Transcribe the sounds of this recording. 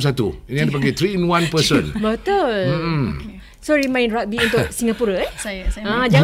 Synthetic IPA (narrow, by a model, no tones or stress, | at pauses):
ms̬at̪ṵiniãdipaɡat̪ɾiinwãnpəsə̰̃nbət̪ol̩ | soɾimãj̃nɾak̚biũnt̪ʊsiŋapuɾəɛsajãd͡ʒa